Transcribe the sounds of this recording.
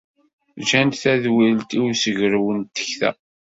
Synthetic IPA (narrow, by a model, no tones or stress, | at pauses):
ʒænt̪θæðwilt̪iwsəʝəɾwənt̪ːə̥çθæ̰